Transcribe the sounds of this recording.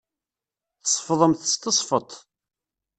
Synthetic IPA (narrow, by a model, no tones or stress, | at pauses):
θəsˤfðˤəmθə̥st̪əsˤfət̪ˤ